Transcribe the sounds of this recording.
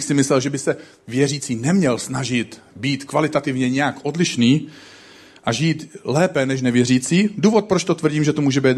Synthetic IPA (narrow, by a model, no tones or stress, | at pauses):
xsɪmɪslɛlʒɛbɪsɛ | vjɛriːt͡siːnɛmɲɛlsnaʒɪt̪ | biːt̪kvalɪt̪at̪ɪvɲɛɲɛjakʔo̞dlɪʃniː | ʔaʒiːt̪lɛːpɛnɛʃ̬nɛvjɛriːt͡siːduːvo̞t̪̚pɾot͡ʃt̪o̞t̪vr̩ɟiːmʒɛt̪omuːʒɛbɛːt̪